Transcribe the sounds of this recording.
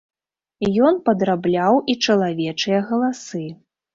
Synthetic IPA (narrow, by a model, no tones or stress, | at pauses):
jɔnpɐd̪ɾablʲawʔit͡ʂɐlˠavʲɛt͡ʂɨjɐɣɐlˠasɨ